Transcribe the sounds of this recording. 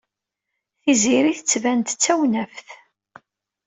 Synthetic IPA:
θiziɾiθət͡sːvænt̪t͡sːæwnæfθ

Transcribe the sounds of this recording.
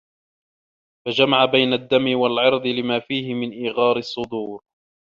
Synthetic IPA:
fad͡ʒamaʕabajnad̪ːamɪwalʕɑɾd̪ˤɨlɪmaːfiːhɪmɪnʔiːɣɑːɾɨsˤːʊd̪uːɾ

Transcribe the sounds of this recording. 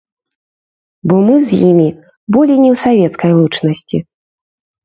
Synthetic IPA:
bɔmɨzʲjimʲi | bɔlʲijnʲɛwsavʲɛt̪skɐjlˠut͡ʂnɐsʲt͡sʲi

